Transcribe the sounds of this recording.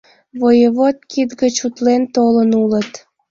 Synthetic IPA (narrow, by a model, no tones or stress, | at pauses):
βojəβot̪̚kit̪ɡət͡ɕut̪lent̪olənulət̪